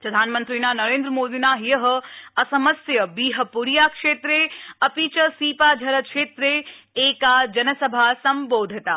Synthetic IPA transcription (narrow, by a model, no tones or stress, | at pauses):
pɾɐd̪ʱaːnmɐnt̪ɾiːnaːnɐɾeːnd̪ɾəmoːd̪inaɦijɐɦɐ̆ɐsɐmɐsjɐbiːɦɐpuɾjaːkʂeːt̪ɾeɐpit͡ʃɐsiːpaːd̪ʱɐɾɐkʃeːt̪ɾeeːkad͡ʒɐnɐsɐbʱasɐmboːd̪ʱit̪aː